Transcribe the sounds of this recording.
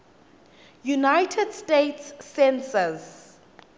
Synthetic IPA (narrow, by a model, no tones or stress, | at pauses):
junajtʰɛdstetsːɛ̃nsəz